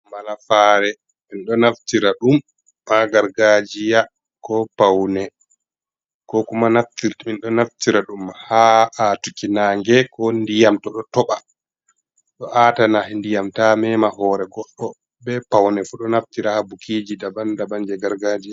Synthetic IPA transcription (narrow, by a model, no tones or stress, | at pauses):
malafaːɾɛ | minɗɔnaftiɾaɗumː | aɡaɾɡad͡ʒija | kɔpawnɛ | kɔkumanaftiɾminɗɔnaftiɾaɗumhaatukinaːŋɡɛkɔndijamtɔɗɔtɔɓa | ɗɔʔatanahɛndijamtamɛmahɔːɾɛɡɔɗːɔ | bɛpawnɛfuɗɔnaftiɾahabukʰid͡ʒidabandaband͡ʒɛɡaɾɡad͡ʒia